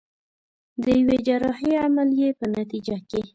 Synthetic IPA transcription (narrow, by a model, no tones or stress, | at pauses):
d̪əjwed͡ʒaɾɑɦeamaljepənat̪id͡ʒake